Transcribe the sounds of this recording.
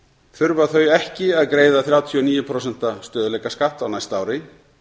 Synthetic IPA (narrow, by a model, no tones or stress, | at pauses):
θʏɾvaθœɥjɛhcɪaðkɾeːjðaθɾjaːwt̪ʰiɔniːjʏpʰɾows̬ɛn̥t̪ast̪œːðʏlɛjkaskaht̪awnajst̪aːwɾɪ